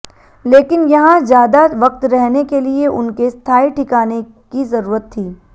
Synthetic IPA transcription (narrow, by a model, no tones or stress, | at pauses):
leːkɪnjɐɦãzjaːd̪aʋɐq̚t̪ɾɛɦnekelieʔʊnkest̪ʰaːiʈʰɪkaːne | kizɐɾuːɾət̪ʰːiː